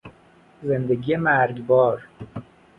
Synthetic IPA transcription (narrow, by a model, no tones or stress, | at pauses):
zend̪eɡijemæɾɡbɒːɾ